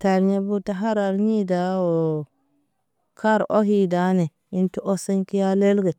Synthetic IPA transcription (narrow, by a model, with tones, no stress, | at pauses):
ta˨ɾɲe˦bu˦ta˦ɦa˦ɾa˨ɾɲi˦da˨wo˨ | kʰa˦ɾʔo̰˦ɦi˨da˦ne˨ | i˦ntu˦ʔo˦se˦nki˦ja˦le˦lɡe˨